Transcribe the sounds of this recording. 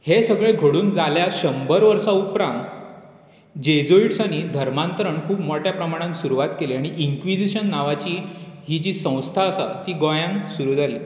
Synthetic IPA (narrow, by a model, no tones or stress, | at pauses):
hesəɡɭeɡʱəɽuːnd͡zaljaɕəmbəɾʋəɾsaupɾãnt̪ | d͡ʑed͡zoiʈsaɽ̃id̪ʱəɾmant̪əɾəɳkʰuːpmɔʈjapɾəmaɽ̃ãnsuɾuʋat̪keleaɽ̃iʔiŋkʋid͡ʑiɕənːaʋat͡ɕiːɦid͡ʑiːsə̃w̃st̪ʰaəsa̰t̪iːɡojãŋksuɾuːd͡zali